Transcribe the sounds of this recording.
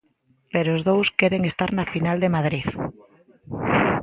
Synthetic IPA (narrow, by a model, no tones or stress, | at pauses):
peɾoozðowskeɾeŋest̪aɾnafinald̪emað̞ɾið